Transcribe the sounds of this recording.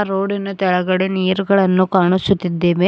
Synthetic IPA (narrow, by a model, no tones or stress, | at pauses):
ɾoːɽinɐt̪ɛɭɐɡɐɽeniːɾuɡɐɭɐnːukaːɳusut̪ːid̪ːeːʋe